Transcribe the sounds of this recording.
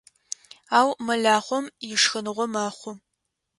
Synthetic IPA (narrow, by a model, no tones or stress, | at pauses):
aːwmɐɮaːχʷɔmjɪʂxɨnɨʁʷɔmaːχʷʊ